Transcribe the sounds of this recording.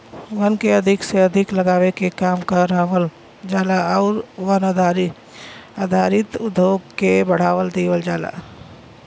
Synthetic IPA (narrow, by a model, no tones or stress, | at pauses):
ʋənkeɐd̪ʱɪkseɐd̪ʱɪkləɡaːʋekekaːmkəɾaʋəl | d͡ʒaːlaɔːɾʋənd̪aɾ | aːd̪ʱaːɾɪt̪ʊd̪ʱːjoːɡkebəɽ̤aːʋəld̪iːʋəld͡ʒaːla̰